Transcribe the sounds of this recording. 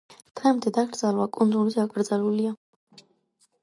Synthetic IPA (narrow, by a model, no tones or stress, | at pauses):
t̪ʰʁɛmt̪ʰɛd̪aɡɾd̪zalwakʼund̪ʼuɾizaɡʼɾd̪zalulia